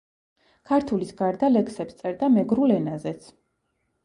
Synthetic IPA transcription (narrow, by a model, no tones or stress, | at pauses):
kʰaɾt̪ʰulisɡaɾd̪alɛksɛpst̪sʼɛɾd̪amɛɡɾulɛnazɛt̪sʰ